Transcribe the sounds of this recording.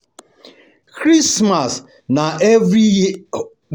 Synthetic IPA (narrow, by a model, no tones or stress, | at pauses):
kɾismas | naʔɛvɾi